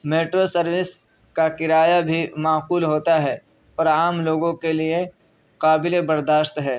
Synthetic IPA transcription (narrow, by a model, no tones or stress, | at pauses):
meːʈɾosɐɾwɪs | kakɪɾaːjabʱimaːquːlɦoːt̪aɦɛː | ɔːɾaːmloːɡõkelie | qaːbɪlebɐɾd̪aːʃt̪ɦɛː